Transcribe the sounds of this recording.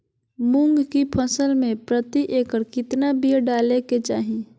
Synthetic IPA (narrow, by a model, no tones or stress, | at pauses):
mʊ̃ŋɡkipʰɐsəlmẽpɾət̪iʔeːkəɾkɪt̪nabiɾɖaːleket͡ʃaːɦi